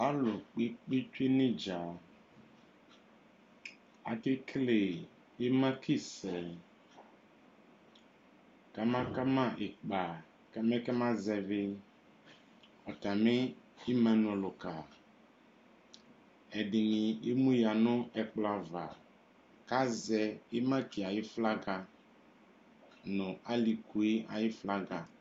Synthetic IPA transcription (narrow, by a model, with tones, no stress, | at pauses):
a˦lʊ˨k͡pi˦k͡pi˦t͡ʃu˦e˦nɪ̃˦d͡ʒa˨ | a˨tɪ˦kʰle˨ | e˦mã˦kʰi˦sɛ˨ | ka˦mã˦ka˦mã˦ʔɪ˨k͡pa˨ | kɛ˦mɛ˦kɛ˦mã˦zɛ˨vɪ˦ | ɔ˨ta˨me˦ | i˦mã˦nɔ̃˨lʊ˨ka˨ | ɛ˨ɖɪ˨nĩ˨e˦mũ˦ja˨nʊ̃˦ɛ˨k͡pla˨va˨ | ka˦zɛ˦e˦mã˦ki˨a˨ji˦fla˦ɡa˨ | nʊ̃˨a˦li˨ku˨˦e˦a˨ji˦fla˦ɡa˨